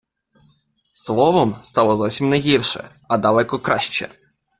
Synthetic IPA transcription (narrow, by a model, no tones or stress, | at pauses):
swɔvɔmst̪awɔzaɕɛmnajɣʲiɾʂɛ̰ | ad̪alɛkɔkɾaɕt͡ɕɛ̰